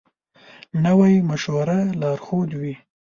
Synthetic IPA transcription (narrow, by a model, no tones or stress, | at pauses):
nəwajmaʃwaɾalɑɾxod̪wi